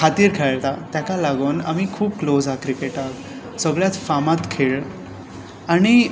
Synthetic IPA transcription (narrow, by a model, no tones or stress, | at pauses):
kʰat̪iːɾkʰaɭt̪at̪jakalaɡuːna̰mikʰuːb̚klod͡zakɾikeʈak | səɡɭjat̪famat̪kʰeɭ | aɽ̃i